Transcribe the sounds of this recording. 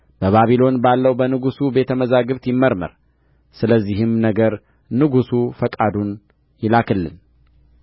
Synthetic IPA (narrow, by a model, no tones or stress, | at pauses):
b̥əβaβilo̞nbalːəwbənɨɡusube̞t̪ʰəməzaɡɨβt̪jɪmːəɾmə̰ɾ | sɨləzːiɦɨmnəɡəɾ | nɨɡusufəkʼad̪un | jɪlakʰɨlːɨ̰n